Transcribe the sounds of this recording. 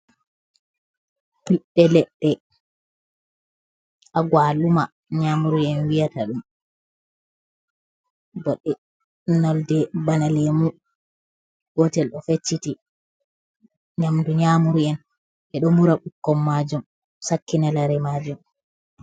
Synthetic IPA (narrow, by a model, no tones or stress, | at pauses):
piɗːɛlɛɗːɛ | ʔaɡwaːluma | ɲamuɾuɛnwijataɗum | bɔɗːɛ | nɔldɛbanalɛmu | ɡ̥ɔtɛlɗɔfet͡ʃːiti | ɲamduɲamuɾuɛn | ʔɛɗɔmuɾaɓukːɔmːad͡ʒum | sakːinalaɾɛmaːd͡ʒum